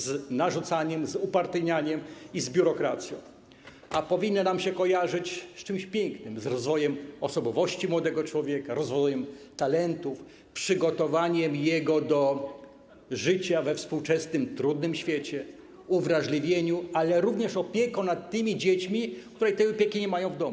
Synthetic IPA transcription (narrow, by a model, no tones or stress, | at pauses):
znaʐut̪saɲɛmzupaɾt̪ɘɲaɲɛmizbʲuɾɔkɾat̪sʲjɔ̰̃w̃ | apɔvʲinːɔnamɕɛkɔjaʐɘt͡ɕst͡ʂɘmɕpʲjɛŋknɘmzɾɔzvɔjɛmɔsɔbɔvɔɕt͡ɕimwɔd̪ɛɡɔt͡ʂwɔvʲjɛkaɾɔzvɔjɛmt̪alɛnt̪uf | pʂɘɡɔt̪ɔvaɲɛmjɛɡɔd̪ɔ | ʐɘt͡ɕavɛfspuwt͡ʂɛsnɘmt̪ɾud̪nɘmɕfʲjɛt͡ɕɛ | uvɾaʐlʲivʲjeɲualɛɾuvɲɛʂɔpʲjɛkɔ̃nat̪ːɘmʲid͡ʑet͡ɕmʲik̚t̪uɾɛjt̪ɛjɔpʲjekʲiɲɛmajɔ̃w̃vd̪ɔmu